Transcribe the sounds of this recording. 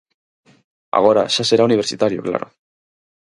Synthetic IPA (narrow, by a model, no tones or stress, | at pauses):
a̰ɣo̞ɾaʃase̞ɾauniβ̞eɾt͡ʃit̪aɾiokla̰ɾo̰